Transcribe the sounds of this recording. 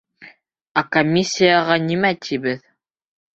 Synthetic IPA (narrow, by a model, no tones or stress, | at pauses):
akomʲːisʲːijaʁɑnimæt̪ʰiβɘð